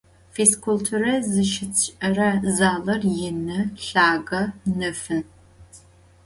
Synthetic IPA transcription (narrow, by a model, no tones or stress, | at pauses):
feskʷʰultʰuɾɐzɨʃɪt͡sʰɕʼɐrɐzaːlɐrjɪnɨɬaːɡɐnɨfɨn